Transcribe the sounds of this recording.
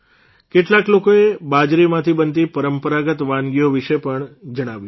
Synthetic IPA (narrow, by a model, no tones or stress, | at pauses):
keʈlaklokoebad͡ʒɾimãt̪ʰibənt̪̬ipəɾəmpəɾaɡət̪ʋãnɡijoʋiʃepəɳd͡ʒəɽ̃aʋju